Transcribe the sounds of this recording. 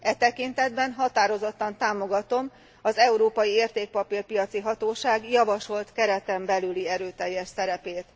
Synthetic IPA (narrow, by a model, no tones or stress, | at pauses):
ʔɛt̪ɛkint̪ɛd̪bɛnɦɒt̪aːɾo̞zo̞t̪ːɒnt̪aːmo̞ɡɒt̪o̞m | ɒzɛuɾoːpɒjieːrt̪eːk̚pɒpirpijɒt̪siɦɒt̪oːʃaːɡjɒvɒʃo̞lt̪kɛɾɛt̪ɛmbɛlyliɛɾøːt̪ɛjːɛʃsɛɾɛpeːt̪